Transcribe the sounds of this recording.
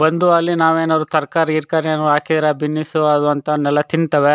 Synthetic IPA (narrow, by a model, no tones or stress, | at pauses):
bɐnd̪uɐlːinaːʋeːnaʋɐɾut̪ɐɾkaːɾɐiɾkaːɾenːuaːkid̪ɐɾabinːisuɐd̪uɐnt̪ɐnɛlːɐt̪iɳt̪ɐʋe